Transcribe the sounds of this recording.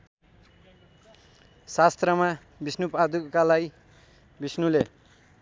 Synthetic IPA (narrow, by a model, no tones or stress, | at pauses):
sast̪rʌma | bisnupad̪ukalaj | bisnule